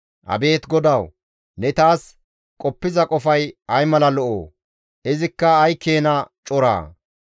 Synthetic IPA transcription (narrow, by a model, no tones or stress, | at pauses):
ʔɐ̰be̞ːt̪ɡɔd̪ɐw | nɛt̪aːs | kʼɔpːɪzɐkʼɔfɐjɐjmɐlɐlɔʔo̰ː | ɪzɪkːɐːjkʰːe̞ːnɐt͡ʃʼɔɾa̰ː